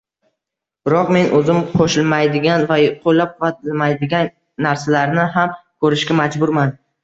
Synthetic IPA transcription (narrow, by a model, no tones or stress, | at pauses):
b̥ɪɾɒqme̞nʔɵzɪmqʰoʃɪlmajd̪ɪɡʲanvaqʰolːap̚qʰʊvat̪ʰɪlmajd̪ɪɡʲanː | aɾsalaɾnɪɦamkʰɵɾɪʃkʲamad͡ʒbʊɾman